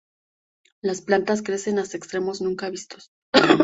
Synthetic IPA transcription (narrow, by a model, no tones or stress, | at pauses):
lasplant̪as̬kɾe̞se̞nast̪aekst̪ɾe̞mo̞znũŋkaβist̪os